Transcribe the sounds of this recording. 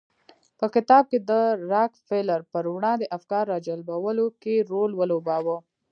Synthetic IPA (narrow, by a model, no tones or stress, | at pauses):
pəkɪt̪ɑb̚ked̪əɾɑkfeləɾpəɾwɽɑ̃d̪əʔafkɑɾːɑd͡ʒalbawəlokeɾolwəlobɑwə